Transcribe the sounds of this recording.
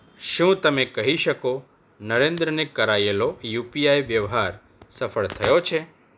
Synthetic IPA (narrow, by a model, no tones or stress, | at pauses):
ʃũt̪əmekəɦiʃəko | nəɾẽnd̪ɾənekəɾajelojupijajʋjəʋɦaɾ | səfəɭt̪ʰəjot͡ʃʰe